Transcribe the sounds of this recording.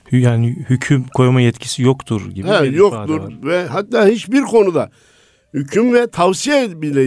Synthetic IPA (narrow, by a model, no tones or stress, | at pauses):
hjaːnɪhycʰymkʰo̞jmajɛt̪cʰi̥sijokt̪ʰuɾɟibhɛjokt̪uɾvɛɦat̪ːaːhit͡ʃbiɾkʰo̞nud̪a | hycʰymvɛt̪ʰavsijɛbilʲe